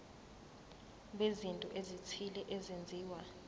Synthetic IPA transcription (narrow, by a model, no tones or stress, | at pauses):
ɓezintʼɔʔezitʰilɛʔezend͡zʱiːwa